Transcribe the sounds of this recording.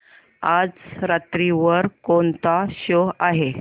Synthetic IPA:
ad͡zɾat̪ɾiʋəɾkont̪aɕoaɦe

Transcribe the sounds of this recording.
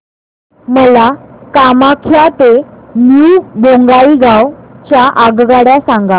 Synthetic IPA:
məlakamakʰjat̪emjuboŋɡaiɡawt͡ɕjaʔaɡɡaɽjasãŋɡa

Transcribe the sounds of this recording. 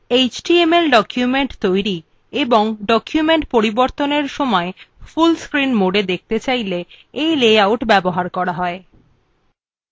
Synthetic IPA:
et͡ɕʈiemelɖɔkʰjumeɳʈt̪ojɾi | eboŋɖɔkʰjumeɳʈpoɾiboɾt̪oneɾʃɔmɔefulskɾinmoɖed̪ek̚ʰt̪et͡ɕajle | ejlejawʈbɛboɦaɾkɔɾaɦɔe

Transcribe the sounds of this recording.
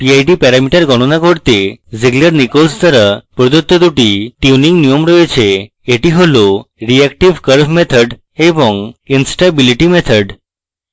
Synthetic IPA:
piajɖipɛɾamiʈəɾɡɔɽ̃onaɡʱoɽt̪eziɡləɾnikolst̪əɾəpɾɔd̪ot̪ːod̪uʈiʈjuniŋɡnijɔmɾɔet͡ɕʰe | eʈiɦoloɾiɛkʈiʋkəɾbmet̪ʰəɖ | ebɔŋinsʈabiliʈimet̪ʰəɖ

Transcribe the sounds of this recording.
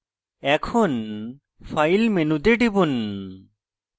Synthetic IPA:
ɛkʰon | fajlmenud̪eɖibun

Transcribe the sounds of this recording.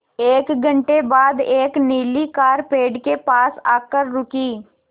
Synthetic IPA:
eːkɡʱə̃ɳʈebaːd̪eːkniːlikaːɾpeːɖkepaːsaːkəɾːʊkiː

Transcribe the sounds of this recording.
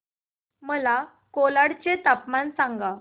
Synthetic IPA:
məla | kolaɽt͡ɕet̪apmansãŋɡa

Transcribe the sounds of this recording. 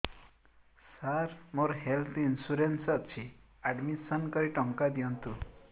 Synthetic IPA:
saɾmoɾɦelt̪ʰiːnsuɾensɔt̪̚t͡ʃʰi | aɖmisənkʌɾiʈɔŋkad̪ijɔnt̪u

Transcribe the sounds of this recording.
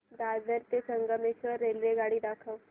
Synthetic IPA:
d̪aːdəɾt̪esəŋɡəmeʃəɾelɾeɡaːɽid̪akʰəʋ

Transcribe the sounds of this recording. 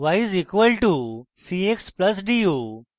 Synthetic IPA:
ʋajzikʋəlʈusiekspləs̬ɖiju

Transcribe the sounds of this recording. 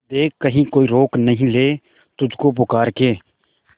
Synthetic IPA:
d̪eːkːəɦĩːkoːiːɾoːknəɦĩleː | t̪ʊd͡ʒʱkoːp̬ʊkaːɾkeː

